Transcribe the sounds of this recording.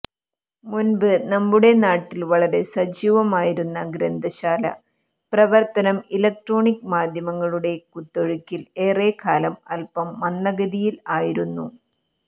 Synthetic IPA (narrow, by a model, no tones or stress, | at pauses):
munbɨnɐmːuɽe̞naːʈːilʋɐɭɐɾe̞sɐd͡ʑiːʋɐmaːjiɾunːɐɡɾɐnd̪ʱɐɕaːlɐ̰ | prɐʋɐrt̪ɐnɐmilɐk̚ʈro̞ːɳikːmaːd̪ʱjɐmɐŋːɐɭuɽe̞kut̪ːoɻukʲːile̞ːre̞ːkʰaːlɐmɐlpɐmːɐnːɐɣɐðijilaːjiɾunːu